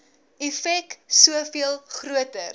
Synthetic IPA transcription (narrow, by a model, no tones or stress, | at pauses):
ɛfɛksuəfiəlˠχruətər